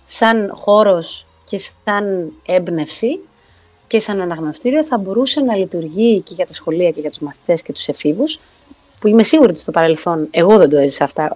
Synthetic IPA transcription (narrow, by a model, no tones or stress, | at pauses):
sɐnxo̞ɾo̞s | ce̞sɐne̞bne̞fsi | ce̞sɐnɐnɐɣno̞st̪iɾio̞θɐbo̞ɾuse̞nɐlit̪uɾʝice̞ʝɐt̪ɐsxo̞liɐce̞ʝɐt̪uzmɐθi̥t̪e̞sce̞t̪u̥se̞fivus | puime̞siɣuɾot̪i̥st̪o̞pɐɾe̞lθo̞ne̞ɣo̞ðe̞nd̪ue̞zisɐɐft̪ɐ